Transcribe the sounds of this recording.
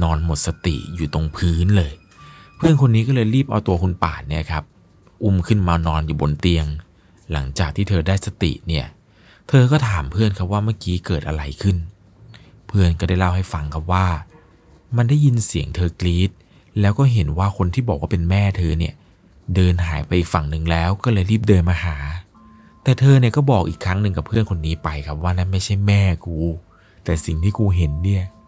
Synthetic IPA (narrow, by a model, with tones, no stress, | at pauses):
nɔː˧nmo˨˩t̪̚sa˧t̪ḭ˨˩juː˨˩t̪o˧ŋpʰɯː˦˥nlɤː˧j | pʰɯ˥˩ənkʰo˧nːiː˦˥k̬ɔː˥˩lɤː˧jɾiː˥˩p̚ʔa˧wt̪u˧ɐkʰu˧npa̰ː˨˩ni˥˩˨kʰa˦˥p̚ | ʔu˥˩mkʰɯ˥˩nmaː˧nɔː˧njuː˨˩bo˧nt̪i˧əŋ | la˩˦ŋt͡ɕaː˨˩k̚t̪ʰiː˥˩t̪ʰɤː˧daː˥˩jsa˧t̪ḭ˨˩ʔni˥˩ɐ | t̪ʰɤː˧kɔː˥˩t̪ʰaː˩˦mpʰɯ˥˩ənkʰa˦˥p̚waː˥˩ma˥˩kiː˦˥kɤː˨˩t̪̚ʔa̰˧ɾa˧jkʰɯ˥˩n | pʰɯ˥˩ənkɔː˥˩daː˥˩jla˥˩wha˥˩jfa˧ŋkʰa˦˥p̚waː˥˩ | ma˧nda˥˩ji˧nsi˨˩˦əŋt̪ʰɤː˧kliː˦˥t̪̚ | lɛː˦˥wkɔː˥˩ɦe˩˦nwaː˥˩kʰo˧nt̪ʰiː˥˩ɔː˨˩k̚ːwɔː˥˩pe˧nmɛː˥˩t̪ʰɤː˧ni˥˩ə | dɤː˧nɦaː˩˦jpa˧jʔiː˨˩k̚fa˨˩ŋnɯ˨˩ŋlɛː˦˥wkɔː˥˩lɤː˧jɾiː˥˩p̚dɤː˧nmaː˧ɦaː˩˦ | t̪ɛː˨˩t̪ʰɤː˧ni˥˩ɐkɔː˥˩bɔː˨˩k̚ʔḭː˨˩kʰːɾa˦˥ŋnɯ˧ŋka˨˩pʰːɯ˥˩ənkʰo˧nːiː˦˥pa˧jkʰa˦˥p̚waː˥˩na˥˩nma˥˩jt͡ɕʰa˥˩jmɛː˥˩kuː˧ | t̪ɛː˨˩si˨˩ŋt̪ʰiː˥˩kuː˧ɦe˩˦nːi˥˩ɐ